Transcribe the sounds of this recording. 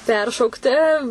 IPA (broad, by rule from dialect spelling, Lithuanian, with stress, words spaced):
ˈpʲɛrʃɐʊktʲɪ